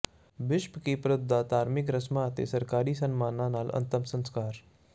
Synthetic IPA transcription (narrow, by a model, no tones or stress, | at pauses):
ʋɪʃpkipɾʊd̪ʱːat̪aːɾmɪkɾɐsmat̪ḛsɐɾkaːɾiːsənmaːnãnaːlɐ̰nt̪əmsə̃nskaːɾ